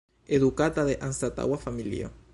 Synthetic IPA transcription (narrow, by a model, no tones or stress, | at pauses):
eðukat̪aðeʔanst̪at̪a̰ɣwafamilḭo̰